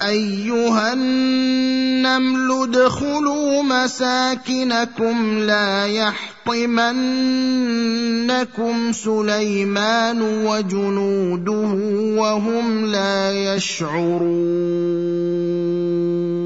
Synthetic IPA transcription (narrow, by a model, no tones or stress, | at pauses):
ʔajːʊɦanː | amlʊd̪xʊluːmasaːkɪnakʊmlaːjɑħt̪ˤɨman | akʊmsʊlajmaːnʊwad͡ʒʊnuːd̪ʊhʊwaɦʊmlaːjaʃ | ʕʊɾu